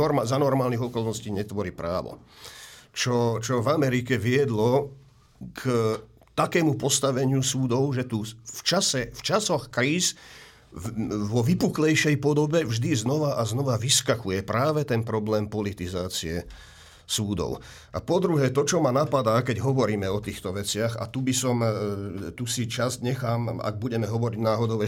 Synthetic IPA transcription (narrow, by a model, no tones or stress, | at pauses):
ɔɾmzanɔɾmaːlniɣɔkɔlnɔsciːɲɛt̪ʋɔɾiːpɾa̰ːʋɔ̰ | t͡ʃɔt͡ʃɔvamɛɾikɛʋɪɛd̪lɔ | k | t̪akɛːmupɔst̪aʋɛɲɪusuːd̪ɔʊʒɛt̪uft͡ʃasɛft͡ʃasɔxkɾiːs | ʋɔʋipuklɛjʃɛjpɔd̪ɔbɛvʒd̪iznɔʋaʔaznɔʋaʋiskaxujɛpɾaːʋɛt̪ɛnpɾɔblɛːmpɔlit̪izaːt͡siɛ | suːd̪ɔ̰ʊ | ʔa̰pɔd̪ɾuɦɛːt̪ɔt͡ʃɔmanapad̪aːkɛɟɦɔʋɔɾiːmɛɔt̪iːxt̪ɔʋɛt͡sɪaɣa̰t̪ubisɔm | t̪usit͡ʃazɲɛxaːma̰ɡ̚buɟɛmɛɦɔʋɔɾiɟnaːɦɔd̪ɔʊɛ